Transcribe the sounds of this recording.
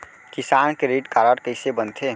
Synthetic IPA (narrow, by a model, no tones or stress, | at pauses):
kisankeɾeʈkaɾəɽkəɪsebənt̪ʰe